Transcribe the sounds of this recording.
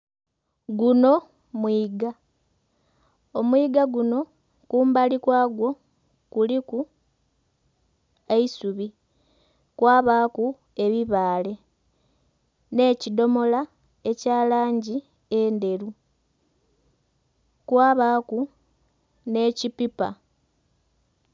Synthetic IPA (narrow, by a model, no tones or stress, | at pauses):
ɡuno̞ | mwiːɡa | omwiːɡaɡuno̞ | kuːmbalikwaːɡwo̞ | kuliku | eisuβi | kwaːβaːku | e̞βiβaːle̞ | ne̞ːcido̞mo̞la | e̞caːlaːɲɟi | eːnde̞ɾu | kwaːβaːku | ne̞ːcipipa̰